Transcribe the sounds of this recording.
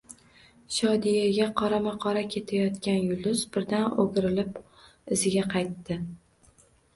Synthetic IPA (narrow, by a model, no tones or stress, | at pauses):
ʃɒd̪ijaɡʲaqʰɒɾamaqʰɒɾakʲʰe̞t̪ʰajɒt̪kʲanjʊlˠʊsbɪɾd̪anoɡʲɾɪlɪp | ɪzɪɡʲaqʰɑjt̪ːɪ